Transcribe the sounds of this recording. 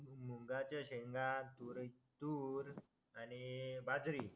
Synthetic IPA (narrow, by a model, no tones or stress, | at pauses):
muŋɡat͡ɕaɕeŋɡãt̪uɾ | t̪uɾ | anibad͡zɾi